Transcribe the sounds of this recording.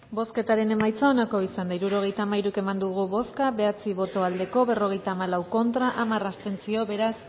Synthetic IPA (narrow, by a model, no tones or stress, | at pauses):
bo̞ske̞t̪aɾe̞ne̞majt͡sao̞nako̞isand̪aiɾuɾo̞ɣ̞e̞jt̪aːmaiɾuike̞mand̪uɣuβo̞skaβe̞at͡siβo̞t̪o̞ald̪e̞ko̞βe̞ro̞ɣ̞e̞jt̪aːmalawko̞nt̪ɾaʔamarast̪e̞nt͡sio̞βe̞ɾas